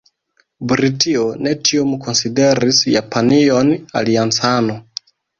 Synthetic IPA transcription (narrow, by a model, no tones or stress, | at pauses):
bɾitionetʰiomkʰo̞nside̞ɾisjapʰaniona̰liant͡sano